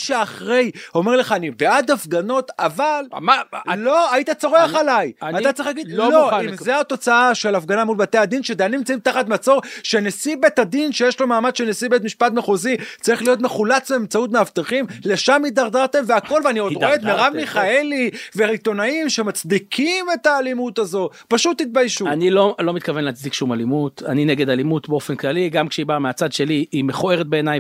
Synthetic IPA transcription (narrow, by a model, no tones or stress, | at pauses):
ʃeaχʁe̞jo̞me̞ʁle̞χaːnibead̪afɡano̞t̪aval | loait̪at͡so̞ʁeaχalajatat͡saɐiχxlaɡid̪loimzeat̪o̞t͡saaʃe̞lafɡanamulbat̪ead̪inʃed̪eanimt͡saimt̪aχat̪mat͡so̞ʁʃe̞nesibet̪ad̪inʃejeʃlo̞maːmadʃenesibet̪̬miʃpatmeχozit͡saʁiχlijo̞t̬meχulat͡sbeemt͡saut̬meaft̪eχimle̞ʃamid̪aʁd̪aʁt̪e̞mveako̞lveaniod̪ʁoeet̪meʁavmiχae̞liveʁit̪o̞naimʃemat͡sd̪ikʰime̞t̪aːlimut̪azo̞paʃut̪ːit̪̚bajʃuanilo̞lo̞mit̪kavenleat͡sd̪ikʃumalimut̪a̰nineɡed̪alimutbeo̞fenklaliɡamkʃeibaʁmeat͡sad̪ʃe̞liːmeχue̞ʁet̚be̞ːnaj